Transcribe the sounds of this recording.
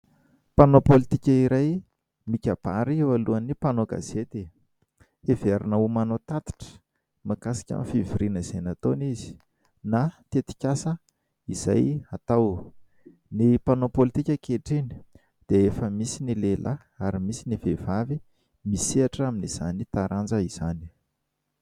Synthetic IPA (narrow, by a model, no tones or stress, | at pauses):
panopolit̪ikʲəiɾaj | mikʲab̥aɾiewaluanipanoɡa̰z̥et̪e | eveɾinəumanot̪at̪i̥ʈ͡ʂə̥ | makasi̥kʲa̰mfiviɾinəz̥enat̪onizi̥ | nat̪et̪i̥kʲasə | iz̥a̰jat̪aw | nipanopolit̪ikʲəkeʈ͡ʂini̥ | d̪̥eefəmisinilelʔa | aɾimisinivevavi | misiaʈ͡ʂaminiz̥anit̪aɾʔand͡ʒəiz̥ani̥